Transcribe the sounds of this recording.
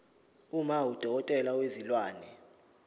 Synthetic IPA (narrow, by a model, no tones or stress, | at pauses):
umawud̥ʱɔk̬ɔtʼɛlawezilwaːnɛ